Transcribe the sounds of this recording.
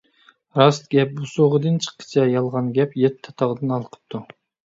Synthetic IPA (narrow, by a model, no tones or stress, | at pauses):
ɾɑst̪ɡʲɛp̚busoʁəd̪ɨnt͡ʃʰə̥qʰːə̥t͡ʃʰɑjɑlˠʁɑnɡʲɛpjɛt̪ʰːɑ̥t̪ʰɑʁd̪ɨnɑlˠqʰə̥p̚t̪ʰu